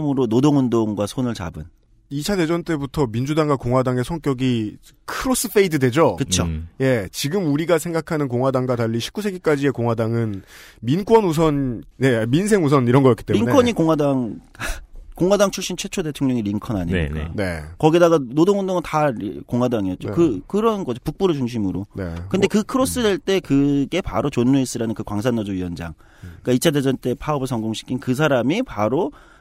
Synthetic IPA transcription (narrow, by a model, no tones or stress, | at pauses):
mɯɾonodoŋundoŋɡwasʰonɯɭt͡ɕa̰bɯn | it͡ɕʰade̞d͡ʑʌnt͈e̞butʰʌmind͡ʑudaŋɡwakoŋwadaŋe̞sʰʌŋk͈jʌɡi | kʰɯɾos͈ɯfʰeidɯdwe̞d͡ʑokɯt͡ɕʰoje̞t͡ɕiɡɯmuɾiɡasʰe̞ŋɡakʰanɯnkoŋɦwadaŋɡwataʎːiɕʰi̥p̚k͈usʰe̞ɡik͈ad͡ʑie̞koŋɦwadaŋɯnmink͈wʌnus̬ʰʌnje̞minsʰe̞ŋusʰʌniɾʌnɡʌjʌkit͈eɾiuŋnekʰʌɲikoŋwadaŋ | koŋwadaŋt͡ɕʰuɭɕ͈int͡ɕʰwe̞t͡ɕʰode̞tʰoŋɲʌŋiɾiŋkʰʌna̰ɲḭika̰jo̰nḛkʌɡidaɡanodoŋʌndoŋɯntakoŋɦwadaŋijʌt̚t͡ɕ͈okɯkɯɾʌnɡʌd͡ʑopuk̚p͈uɾɯɭt͡ɕuŋɕ̬ʰimɯɾonekɯndekɯkʰɯɾos͈ɯdeɭt͈e̞kɯɡe̞pa̰ɾot͡ɕonːuis͈ɯɾanɯnkɯkwaŋs̬ʰanːʌd͡ʑoɥiʌnd͡ʑa̰ŋ | k͈ait͡ɕʰaded͡ʑʌnt͈e̞pʰaʌbɯɭsʰʌŋɡoŋɕʰi̥kʰinkɯs̬ʰaɾamipaɾo